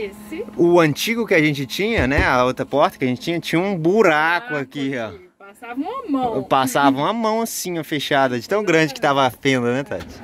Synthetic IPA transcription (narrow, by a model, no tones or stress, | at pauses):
ʊɐ̃t͡ʃiɡʊkɪaʒẽnt͡ʃɪt͡ʃĩɲɐnɛaot̪ɾɐpɔɾt̪ɐkɪaʒẽt͡ʃɪt͡ʃĩɲɐt͡ʃĩɲɐũbuɾakʊakiɔ | savɐ̃mɐ̃pasavɐũɐmɐ̃w̃ɐsĩɲɐfeʃad̪ɐd͡ʒɪt̪ɐ̃w̃ɡɾɐ̃d͡ʒɪkɪt̪avɐfẽd̪ɐnɛt̪a̰t͡ʃɪ̥